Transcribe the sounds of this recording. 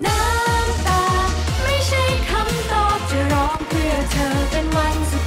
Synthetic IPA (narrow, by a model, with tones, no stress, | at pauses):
naː˧˥ | t̪aː˨˧˩ | ma˥˩jt͡ɕʰa˥˩jkʰa˧˥mt̪ɔː˧˩p̚t͡ɕa˧˩ɾɔː˦˥ŋpʰɯ˧˩ɐt̪ʰɤː˨˧t͡ɕe˧nma˧˥ns